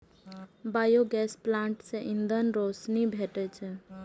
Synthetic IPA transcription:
bajoɡɛːsplãːɳʈsẽʔind̪ənɾosnibʱeʈət͡ʃʰ

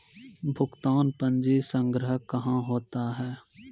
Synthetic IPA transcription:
bʱʊɡt̪aːnpə̃nd͡ʒesə̃ŋɡɾəɦəkəɦãɦoːt̪aɦɛː

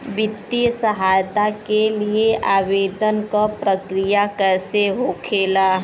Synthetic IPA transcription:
ʋɪt̪ːijəsəɦaːjt̪akelieʔaːʋeːd̪ənkapɾəkɾijakɛseɦokʰeːlaː

